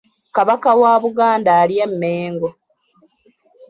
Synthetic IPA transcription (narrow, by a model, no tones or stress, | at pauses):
kaβakawaːβuɡaːndaːljemːeːŋɡo